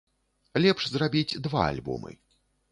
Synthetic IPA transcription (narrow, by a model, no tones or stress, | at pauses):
lʲɛpʂzrabʲit͡sʲd̪va̰a̰lʲbṵmɨ̰